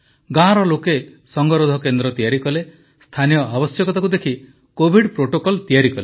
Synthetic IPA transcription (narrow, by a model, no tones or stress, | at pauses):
ɡãɾɔlokesɔŋɡɔɾod̪ʱɔkend̪ɾɔt̪ijaɾikɔle | st̪ʰanijɔʔabɔsjɔkɔt̪akud̪ekʰi | kobʱiɖpɾoʈokɔlt̪ijaɾikɔle